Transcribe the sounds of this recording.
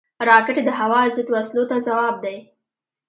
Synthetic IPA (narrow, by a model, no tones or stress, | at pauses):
ɾɑkɪʈed̪əɦawɑzəd̪waslot̪azawɑb̚d̪aj